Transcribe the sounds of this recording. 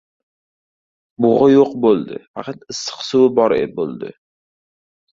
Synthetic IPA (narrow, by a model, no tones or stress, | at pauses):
bʊʁɑjoqbolˠd̪ɪ̰fɑ̰qʰɑt̪ɪsːɨ̥qsuwɪbɒɾḛbo̰lˠd̪ɪ̰